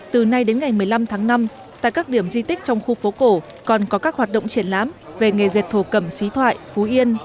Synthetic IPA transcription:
t̪ɨ˨˩na˧jɗe˨˦nŋa˨˩jmɨ˨˩əjla˧mt̪ʰaː˨˦ŋna˧m | t̪a̰ː˧˨jkaː˦˥k̚ɗi˧˩əmzi˧t̪ï˦˥k̟̚t͡ɕɔ˧wŋ͡mxu˧fo˨˦ko˧˩ | kɔ˨˩nkɔ˨˦kaː˦˥k̚hwaː˨˩t̚ɗo̰˧˨ŋ͡mt͡ɕi˧˩ənlaː˨˦mve˨˩ŋe˨˩ze˨˩t̚t̪ʰo˧˩kə˧˩msi˨˦t̪ʰwa̰ː˧˨jfu˨˦ʔi˧ən

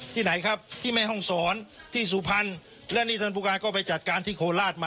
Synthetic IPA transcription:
t̪ʰiː˥˩na˩˦jkʰa˦˥p̚t̪ʰiː˥˩ma˧˥˩jɦɔ˥˩ŋsɔː˩˦nt̪ʰiː˥˩s̬uː˨˩pʰa˧n | lɛː˥˩˨niː˥˩t̪ʰɤː˧puː˧kaː˧kɔː˥˩pa˧jt͡ɕa˨˩t̪̚kaː˧nt̪ʰiː˥˩kʰoː˧laː˥˩t̪̚maː˧

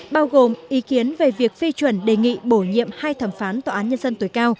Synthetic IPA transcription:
ɓaː˧wɣo˨˩mʔi˨˦ki˨˦ənve˨˩vi˨˩ək̚fi˧t͡ɕwə˧˩nɗe˨˩ŋḭ˧˨ɓo˧˩ɲḭ˧˨əmhaː˧jt̪ʰə˨˧˩mfaː˨˦nt̪ɔː˨˩ʔaː˨˦nɲə˧nzə˧nt̪o˨˩˦jkaː˧w

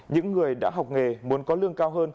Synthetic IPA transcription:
ɲɨ̰˧˥ŋːɨ˨˩əjɗa̰ː˧˥ɦwk͡p̚ŋe˨˩mu˨˦ənkɔ˨˦lɨ˧əŋkaː˧wɦəː˧n

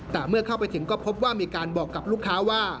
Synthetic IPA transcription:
t̪ɛː˨˩mɯ˥˩ɐkʰa˥˩wpa˧jt̪ʰɯ˩˦ŋkɔː˥˩pʰo˦˥p̚waː˥˩miː˧kaː˧nbɔː˨˩kːa˨˩p̚luː˥˩kʰːaː˦˥waː˥˩

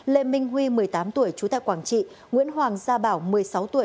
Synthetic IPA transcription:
le˧˨˩mï˧ŋ̟ɦwi˧mɨ˨˩əjt̪aː˨˦mt̪u˧˩əjt͡ɕu˨˦t̪a̰ː˧˨kwaː˧˩nt͡ɕḭ˧˨ | ŋwḭ˧˥ənɦwaː˨˩ŋzaː˧ɓaː˧˩wmɨ˨˩əjsa˨˦wt̪u˧˩ə

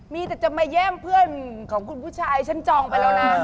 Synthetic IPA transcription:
miː˧t̪ɛː˨˩t͡ɕa˨˩ma˧˩jːɛː˥˩mpʰɯ˥˩ənkʰɔː˩˦ŋkʰu˧npʰuː˦˥˩t͡ɕʰaː˧jt͡ɕʰa˦˥nt͡ɕɔː˧ŋpa˧jlɛː˦˥˩na˦˧˥

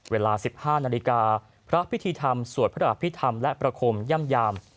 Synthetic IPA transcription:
weː˧laː˧si˨˩p̚haː˥˩naː˧li˧˥kaː˧ | pʰɾa˦˥pʰi˦˥t̪ʰiː˧t̪ʰa˧msu˨˩ə˦˥ɾa˨˩a˨˩pʰi˦˥t̪ʰa˧mlɛ˦˥pɾa˧kʰoː˧mja˥˩˨mjaː˧m

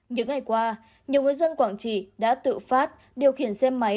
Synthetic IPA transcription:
ɲɨ̰˧˥ŋːa˨˩jkwaː˧ | ɲi˨˩əwŋɨ˨˩əjzə˧nkwaː˧˩ŋt͡ɕi˧˩ɗa̰ː˧˥t̪ɨ̰˧˨faː˦˥t̚ | ɗi˨˩əwxi˧˩ənsɛ˧mːa˨˦

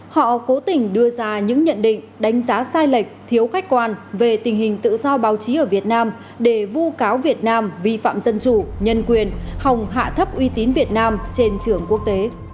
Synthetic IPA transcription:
hɔ̰˧˨ko˨˦t̪ï˨˩ŋ̟ɗɨ˧əzaː˧ɲɨ̰˧˥ŋɲə̰˧˨nɗḭ˧˨ŋ̟ɗa˨˦jŋ̟zaː˨˦saː˧jlə˨˩jk̟̚t̪ʰi˨˦əwxa˦˥k̟̚kwaː˧nve˨˩t̪ï˨˩ŋ̟ɦï˨˩ŋ̟t̪ɨ̰˧˨zɔ˧ɓaː˨˦wt͡ɕi˨˦ʔəː˧˩vi˨˩ət̚naː˧m | ɗe˧˩vu˧kaː˨˦wvi˨˩ət̚naː˧mvi˧fa̰ː˧˨mzə˧nt͡ɕu˧˩ɲə˧nkwi˨˩ənha˨˩wŋ͡mɦa̰ː˧˨t̪ʰə˦˥p̚ʔwi˧t̪i˨˦nvi˨˩ət̚naː˧mt͡ɕe˧nt͡ɕɨ˧˩əŋku˦˥ək̚t̪e˨˦

